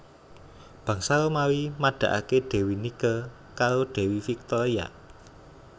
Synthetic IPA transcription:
b̥ä̤ŋsalomawimaɖ̥a̤ʔa̰kedɖ̥ɛ̤winikə | kaɾoɖ̪̥e̤wifik̚t̪ɔɾia̰

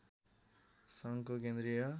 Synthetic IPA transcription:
sʌŋkok̬end̪ɾijʌ

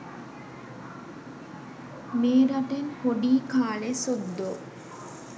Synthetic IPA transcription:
meːɾɐʈenhoɖiːkaːlesud̪ːo

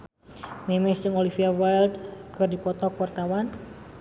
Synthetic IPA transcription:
mɛmɛd͡ʒɨŋɔlifiawajld̪kɨrdipɔt̪ɔkwart̪awan

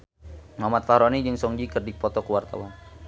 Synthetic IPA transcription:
mamat̪̚fahɾɔnid͡ʒɨŋsɔŋd͡ʒikərdipɔt̪ɔkəwart̪a̰wan

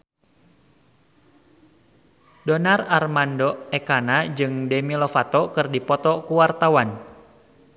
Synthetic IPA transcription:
dɔnararmandɔɛkanad͡ʒɨŋdɛmilɔfat̪ɔkɨrdipɔt̪ɔkuwart̪awan

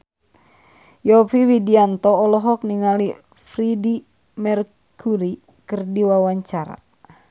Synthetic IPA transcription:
jɔfiwidiant̪ɔːlɔɦɔk̚niŋali | fridi | mɛr | kʰuɾi | kərdiwawaɲt͡ʃaɾa̰

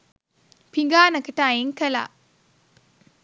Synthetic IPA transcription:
piŋɡaːnɐkəʈaːeŋkəla̰

